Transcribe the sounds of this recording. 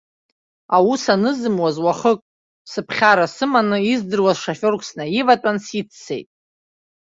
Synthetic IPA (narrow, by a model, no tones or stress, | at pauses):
awusanɨzɨmwazwaχəkʼ | sɨpʰχʲaɾasɨmanɨizdɨrwazʂafʲo̞rkʷʰsnaivatʼansit͡sʰːe̞̰jtʼ